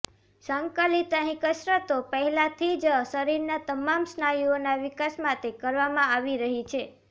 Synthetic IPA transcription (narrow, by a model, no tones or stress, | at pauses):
saŋkalit̪əɦĩkəsɾət̪opəɦɛlat̪ʰid͡ʒsəɾiɾnat̪əmamsnajuonaʋɪkasmat̪ekəɾʋamãaʋiɾəɦit͡ʃʰe